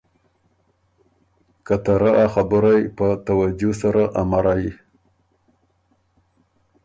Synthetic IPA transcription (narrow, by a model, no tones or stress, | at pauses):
kat̪aɾaʔaxabəɾajpət̪awad͡ʒosaɾaʔamaɾaji